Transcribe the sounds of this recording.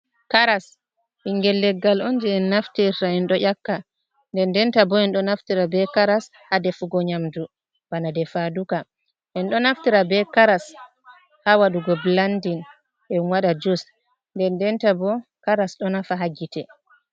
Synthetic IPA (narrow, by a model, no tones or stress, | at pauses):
kaɾas | hiŋɡɛlːɛɡːalɔnd͡ʒɛɛnːaftiɾtaɛnɗɔʔakːa | ndɛndɛntabɔɛnɗɔnaftiɾabɛkaɾas | hadɛfuɡɔɲamdu | banadɛfaduka | ʔɛnɗɔnaftiɾabɛkaɾas | hawaɗuɡɔblandin | ʔɛwaɗad͡ʒos | ndɛndɛntabɔkaɾasɗɔnafaɦaɡitɛ